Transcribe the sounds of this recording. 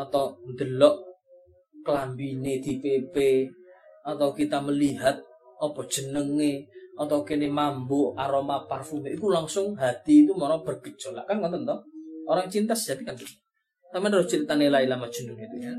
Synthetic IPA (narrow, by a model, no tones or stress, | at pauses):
ɔt̪ɔnd̪əlɔʔ | klambined̪̥ipepe | ɔt̪akit̪aməliɦat̪̚ | ɔpɔd̥ʒ̥ə̤nəŋeɔt̪ɔkenemamboʔaɾɔmaparfumeʔikulaŋsʊŋɦat̪iːt̪umɔɾɔb̥ərɡ̥ə̥ʒ̥o̤la̰ʔkankɔnt̪ɔnt̪ɔoɾaŋt͡ʃint̪asd͡ʒat̪ikanki | t̪amandɾɔt͡ʃiɾit̪anelailamad̥ʒ̥ṳnunit̪ua